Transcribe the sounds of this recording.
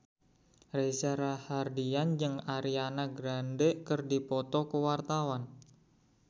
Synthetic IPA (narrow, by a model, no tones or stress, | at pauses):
resaɾahardiand͡ʒɨŋaɾianaɡɾandekərdipɔt̪ɔkəwart̪awan